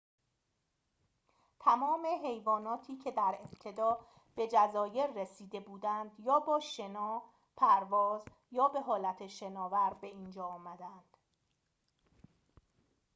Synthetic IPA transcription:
t̪ʰæmɒːme̞ɦejvɒːnɒːt̪ʰiːcʰe̞d̪æɾe̞b̥t̪ʰe̞d̪ɒː | b̥e̞d͡ʒæzɒːje̞ɾːesiːd̪e̞buːd̪ænd̪jɒːbɒːʃe̞nɒː | pʰæɾvɒːz | jɒːbe̞ɦɒːlæt̪ʰeʃe̞nɒːvæɾbe̞iːnd͡ʒɒːɒːmæd̪ænd̪̥

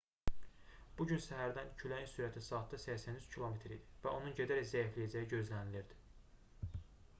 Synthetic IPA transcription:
b̥uɟynsæɦæɾd̪æncʰylæjinsyɾæt̪ʰisɑːt̪̚ʰd̪ɑsæçsænyz̥cʰilˠo̞met̪ʰɾid̪ivæo̞nunɟed̪æɾæczæiflijæd͡ʒæjiɟø̞zlæniliɾd̪i̥

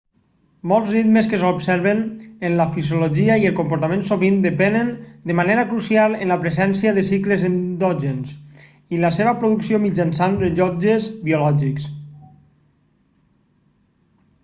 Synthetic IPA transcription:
molˠzrit̪məskəsobsɛɾβənənləfizjuloʒiəiəlˠkompuɾt̪amẽnsoβind̪əpɛnənd̪əmaneɾəkɾusialˠənləpɾəzɛnsiəðəsikləzənd̪ɔʒens | iləseβəpɾoðuksiomid͡ʒansand̪əʎɔd͡ʒəzbiolɔʒiks

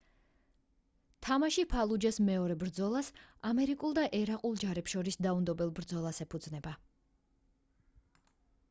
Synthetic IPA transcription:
t̪ʰamaʃipʰalˠud͡ʒasmɛɔɾɛbɾd̪zɔlˠasamɛɾikʼulˠd̪aʔɛɾaqʼulˠd͡ʒaɾɛpʃɔɾisd̪aund̪ɔbɛlˠbɾd̪zɔlˠasɛpʰud̪znɛba

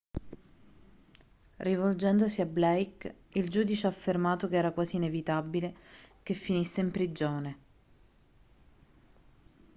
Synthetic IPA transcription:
rivold͡ʒɛnd̪osiablɛjk | ild͡ʒuːd̪it͡ʃeafːermaːt̪okeɛːɾakwaːsiːnevit̪abilek̟efːinisːeimpɾid͡ʒoːne

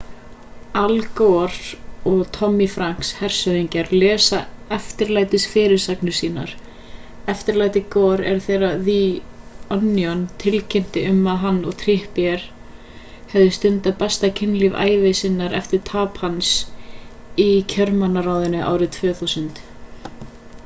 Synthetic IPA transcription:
alkɔɾɔɣt̪ʰɔmːifɾaŋ̥kshɛr̥sœðiɲcaɾlɛːsaɛft̪ɪɾlaːjt̪ɪsfɪːɾɪɾ̥saknʏ̥siːna̰ɾ̥ | ɛft̪ɪɾlaːjt̪ɪkoːɾɛ̰ɾ̥θɛːɾaði | ɔnːijɔnt̪ʰɪlcʰɪnt̪ɪʏmːaðɦanːɔɣt̪ʰɾɪhpjɛɾ̥ | hɛvðɪst̪ʏnt̪apɛst̪acʰɪnlɪva̰ːjvɪsɪnːaɾɛft̪ɪɾ̥t̪ʰaːphans | icʰœɾmanːaɾaːwðɪnʏʔa̰ːwɾɪðt̪ʰvœːθuwsʏnt̪

